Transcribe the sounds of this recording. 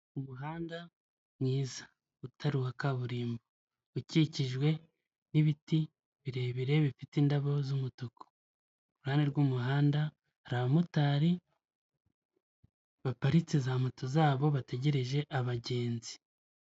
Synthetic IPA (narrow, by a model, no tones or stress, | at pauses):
umuɦaːnda | mŋiːza | utʰaɾuhakaβuɾiːmbo | uciciʒɡwe̞ | niβiti | βiɾe̞ːβiɾe̞βifitindaβo̞zumutoko̥ | βuuhaːneɾɡuːmuɦaːnda | aɾaβamutaːɾi | βapaɾit͡sizaːmatozaːβo̞βate̞ɟe̞ɾe̞ʒe̞ʔaβaɟe̞ːnzi̥